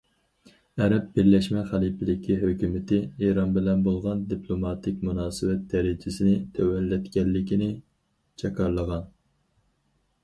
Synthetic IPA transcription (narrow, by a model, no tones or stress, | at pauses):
ɛɾɛp̚bɪɾlɛʃmɛχælˠipɪlɪkʲʰiɦøkʲymɪt̪ʰɪiɾɑnbɪlɛnbolˠʁɑnd̪ipʰlˠomɑt̪ʰɪk̚ʲmunɑːsɨbɛt̪̚d̪ɛɾɪd͡ʒɪsɪnɪt̪ʰɛwɛlːɛt̪kʲɛlːɪkʲinɪ | t͡ʃʰɛkʰɑɾlˠəʁɑn